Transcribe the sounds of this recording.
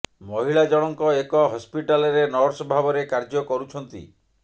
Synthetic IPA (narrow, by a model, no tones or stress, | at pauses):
mɔɦiɭad͡ʒɔɽ̃ɔŋkɔekɔɦɔspiʈalɔɾenɔɾsbʱabɔɾekaɾd͡ʒɔkɔɾut͡ʃʰɔnt̪ḭ